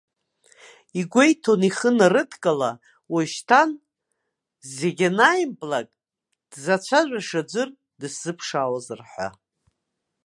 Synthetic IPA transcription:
iɡʷejtʰoniχənarɨtʰkʼala | waʃtʰan | zeɡʲanajimpʼlakʼ | d̥zat͡ʃʷʰaʒᶣʷaʂad͡ʒʷɨr | dɨsz̥ɨpʰʂaːwazɨrħʷa̰

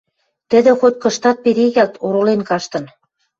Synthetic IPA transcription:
t̪ə̆d̪ĕxot̪̚ʲkɤ̆ʃt̪ɑt̪̚peɾeɣælt̪ʰoɾolenkɑʃt̪ɤ̆n

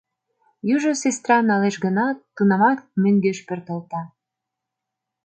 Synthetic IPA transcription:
jyʒosest̪rɑnɑleʃɡənɑt̪ːunɑmɑt̪møŋɡeʃpørt̪əlt̪ɑ

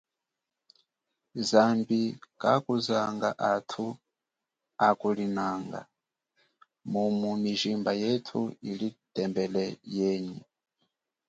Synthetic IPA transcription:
zambikʼakuzaŋɡaʔatʰu | akulinaŋɡa̰ | mumumiʒimbajetʰuilitɛmbɛlɛjɛːɲi

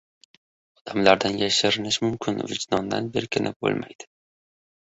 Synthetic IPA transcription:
ɒd̪̥amlaɾd̪anjaʃɪɾɪnɪʃmʊmkʲʰɪnvɪd͡ʒd̪ɒnd̪a̰nbeɾkʲʰɪnʔɪp̚bo̰lˠmʔajd̪̥ɪ

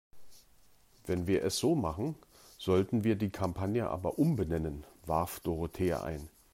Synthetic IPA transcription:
vɛnviːɐʔɛsz̥oːmaχn̩ | z̥ɔltn̩viːɐdiːkʰampʰanjəʔa̰ːbɐʔʊmbənɛnənva̰ɐfd̥oʁotʰeːɐ̰ʔa̰ɪn

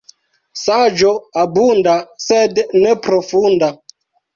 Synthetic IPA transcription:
sad͡ʒoabundasednepɾofunda

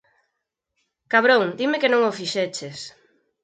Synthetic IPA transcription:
kaβɾõŋd̪imekenõŋofiʃet͡ʃes

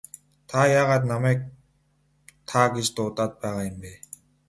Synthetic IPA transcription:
t̪ʰajaːʁat̪namɛk̚ | t̪ʰaɡit͡ɕt̪oːt̪at̪̚paːʁajimbe

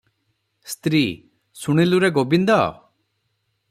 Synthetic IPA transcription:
st̪ɾi | suɽ̃iluɾeɡobind̪ɔ̰

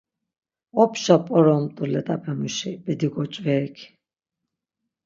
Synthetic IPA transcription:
ɔpʰʃapʼɔɾɔmt̪ʼulɛt̪ʼabɛmuʃibɛd̪iɡɔt͡ʃʼvɛːkʰ

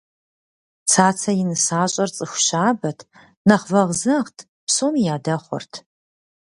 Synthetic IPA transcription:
t͡sʰaːt͡sʰɐjɪnɨsaːɕʼɐrt͡sʼɨxʷɕaːbɐtʰ | nɐχvɐʁzɐʁtʰ | psomijaːdɐχʷɔ̰rtʰ

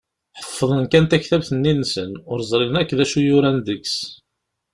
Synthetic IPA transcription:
ħə̥fːəðˤənkænt̪æçθæbθənːinːsənʊɾzˤɾˤɪlənækːðæʃujʊɾænðəks

